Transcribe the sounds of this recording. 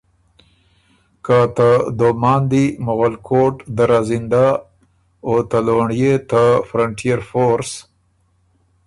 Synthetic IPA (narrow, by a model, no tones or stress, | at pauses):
kat̪əd̪omɑnd̪imʊɣalkʰoʈd̪əɾazɪnd̪a | ot̪aloɳjet̪əfɾaɳʈijaɾfoɾs